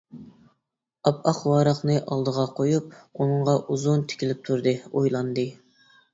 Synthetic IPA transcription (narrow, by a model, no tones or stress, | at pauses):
ɑpɑqwɑːɾɑχnɨʔɑlˠd̪əʁɑqʰojup̚unɨɴʁɑʔuzunt̪ʰɪ̥kʲʰilɪp̚t̪ʰuɾd̪ɨojlˠɑnd̪ɨ